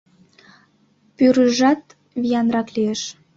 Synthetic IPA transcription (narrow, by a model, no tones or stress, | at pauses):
pyɾəʒɑt̪ | βijɑnrɑklieʃ